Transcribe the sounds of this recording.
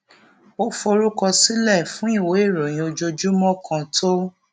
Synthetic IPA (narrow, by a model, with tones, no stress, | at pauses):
o˦fo˧ɾu˦kɔ˧si˦lɛ˦˨fũ˦i˦˨wo˨˦e˦˨ɾo˨j̃ĩ˧o˧d͡ʒo˧d͡ʒu˦mɔ̃˦kʰã˧tʰo˦